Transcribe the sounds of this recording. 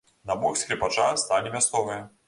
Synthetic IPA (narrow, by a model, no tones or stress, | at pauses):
nabɔxsʲkɾʲipat͡ʂast̪alʲimʲast̪sɔvɨjɐ